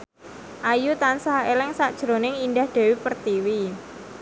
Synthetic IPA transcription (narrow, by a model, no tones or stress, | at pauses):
ʔajut̪ansaɦelɪŋsaʔd̥ʒ̥ɾo̤nɪŋindahd̪̥e̤wipərt̪iwi